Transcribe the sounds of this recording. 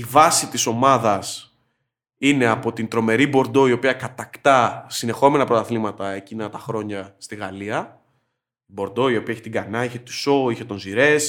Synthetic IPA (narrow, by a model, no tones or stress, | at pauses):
ivɐsit̪iso̞mɐðɐs | ine̞ɐpo̞t̪int̪ɾo̞me̞ɾibo̞ɾd̪o̞io̞piɐkɐt̪ɐkt̪ɐsine̞xo̞me̞nɐpɾot̪ɐθlimɐt̪ɐe̞cinɐt̪ɐxɾo̞ɲɐst̪iɣɐliɐ | bo̞ɾd̪o̞io̞piɐeçit̪iɡɐnɐiçe̞t̪u̥so̞içe̞t̪o̞nziɾe̞s